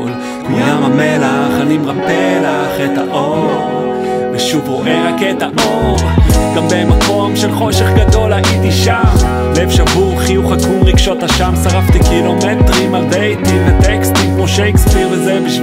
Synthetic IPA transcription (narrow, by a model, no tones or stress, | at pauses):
kmojjamamelaχanimʁapelaχet̪aʔo | veʃuvʁoʔehaket̪aʔoʁɡ̥ambemako̞mʃelχo̞ʃeχɡad̪o̞laʔid̪iʃam | levʃavuʁχijuχhakumʁiɡʃo̞thaʃamsaʁaft̪ikilomet̪ʁimabejt̪imvet̪ekst̪imkmoʃejkspiʁvezeviʃ